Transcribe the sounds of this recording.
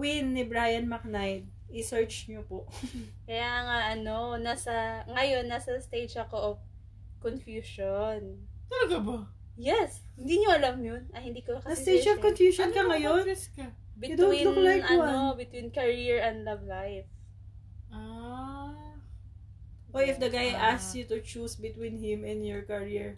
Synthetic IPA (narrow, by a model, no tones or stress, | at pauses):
wɪnːɪbɹaːjɐnmɐk̚najd̪̚ | ɪsɛɹt͡ʃɲopoʔkɐjaːɐŋaʔɐno̞nasɐŋɐjo̞nːasɐst̪ejd͡ʒɐko̞ʔov | konfjuːʃont̪ɐlɐɡabɐ | jɛshɪnd̪iɲoɐlɐmjonɐhɪnd̪iːkoɐkɐsit̪ejd͡ʒɐvkonfjuʃonkɐŋɐjoɛskɐ | bɪd̪wwiolajɐobɪt̪winkɐɹiɹɛ̃nd̪lɐvlajf | ʔa | wojɪfd̪ɐɡajʔassjut̪ʊt͡ʃusbɪt̪wĩnhɪ̃mɪ̃njɔɹkɐɹiɹ